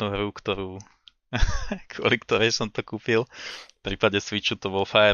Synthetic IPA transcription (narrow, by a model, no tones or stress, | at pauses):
nuɦɾukt̪ɔɾuː | kʊɔlikt̪ɔɾɛjsɔmt̪ɔkuːpilfpɾiːpaɟɛsʋit͡ʃut̪ɔbɔlfaɛ